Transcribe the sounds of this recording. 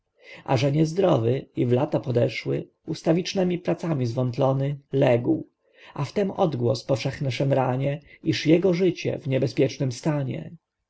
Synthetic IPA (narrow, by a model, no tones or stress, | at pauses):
ʔa̰ʐɛɲɛzd̪ɾɔvɘivlat̪apɔd̪ɛʂwɘ̰ | ust̪avʲit͡ʂnɛmʲipɾat̪samʲizvɔnt̪lɔnɘlɛɡw | aft̪ɛmɔd̪ɡwɔspɔfʂɛxnɛʂɛmɾaɲɛiʂjɛɡɔʐɘt͡ɕɛ̰vɲɛbɛspʲjɛt͡ʂnɘmst̪aɲɛ̰